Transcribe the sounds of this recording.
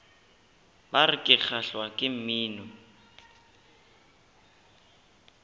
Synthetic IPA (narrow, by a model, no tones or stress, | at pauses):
barɪkʼɪk͡xʰaɬwakʼɪm̩miːnɔ